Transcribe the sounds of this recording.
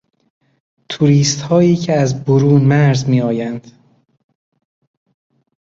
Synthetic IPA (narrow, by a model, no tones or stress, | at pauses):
t̪ʰuɾiːst̪hɒːiːcʰeæzboɾuːnmæɾzmiːɒːjænd̪̥